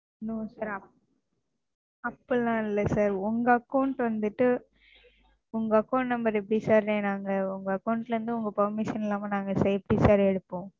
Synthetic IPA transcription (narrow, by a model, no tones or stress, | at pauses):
noːsaːɾɐ | ɐpːɐɭːãːɪlːɐsaːɾʊŋɡɐɐkːɐʊɳʈʋɐnd̪ɯʈːɯ | ʊŋɡɐːkːɐʊɳʈnɐmbɐɾɛp̬ːɐɽisaːɾẽːnaːŋɡɐʊŋɡɐɐkːɐʊɳʈɪlɐɾɯnd̪ɯʊŋɡɐpɐɾmɪʃɐnɪlːaːmɐnaːŋɡɐsɐɛpːɐɽisaːɾɛɽɯpːõː